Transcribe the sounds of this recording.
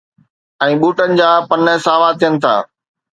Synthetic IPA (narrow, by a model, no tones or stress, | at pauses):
ɛ̃ːɓuːʈənɪ̆d͡ʑaːpɐnɦesaːʋat̪ʰijənɪ̆t̪ʰa̰ː